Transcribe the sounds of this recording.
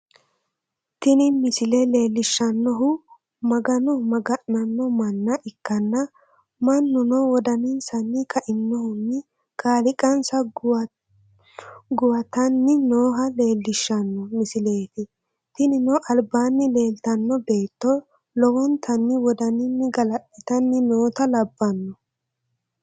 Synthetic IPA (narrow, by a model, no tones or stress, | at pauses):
t̪ɪnɪmɪsɪlɛle̞ːlːɪʃːɐnːɔɦʊ | mɐɡɐnɔmɐɡɐʔnɐnːɔmɐnːɐʔɪkːɐnːɐ | mɐnːʊnɔwɔd̪ɐnɪnsɐnːɪkʰɐʔɪnːɔhʊnːɪ | kʼaːlɪkʼɐnsɐ | ɡʊwɐt̪ɐnːɪnoːɦɐle̞ːlːɪʃːɐnːɔmɪsɪle̞ːt̪ɪ | t̪ɪnɪnɔʔɐlbaːnːɪle̞ːlt̪ɐnːɔbe̞ːt̪ːɔ | lɔwɔnt̪ʰɐnːɪwɔd̪ɐnɪnːɪɡɐlɐɗɛt̪ɐnːɪnoːt̪ɐlɐbːɐnːɔ